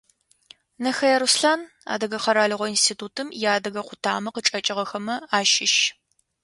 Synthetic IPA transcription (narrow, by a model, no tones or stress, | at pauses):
nɐxɐjɐɾusɬaːn | a̰ːdɐɣɐχɐɾaːɮɨʁʷɔinstʰiːtʰuːtʰɨmjaːdɐɣɐqʷʊtʰaːmɐqət͡ʃʼɐt͡ʃʼɪʁɐxɐmɐaːʃɪʃ